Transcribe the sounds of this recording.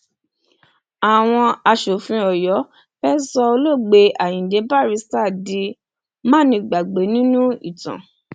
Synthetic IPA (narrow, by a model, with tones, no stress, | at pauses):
a˨w̃ɔ̃˧a˧ʃo˨fĩ˨˦ɔ˨jɔ˨˦ | fɛ˦sɔ˧o˧lo˦˨ɡ͡be˧ʔa˨jĩ˨de˨˧˦ba˦˨ɾi˧˦sta˦˨di˧ | mã˦˨nĩ˧ɡ͡ba˨ɡ͡be˨˦nĩ˦nũ˦ḭ˦˨tã̰˨